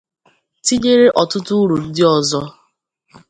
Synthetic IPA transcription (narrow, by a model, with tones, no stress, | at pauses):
ti˦d͡ʒe˦ɾe˦ʔɔ˨tʊ˦tʊ˦ɾu˨dɪ˦ɔ˨zɔ˦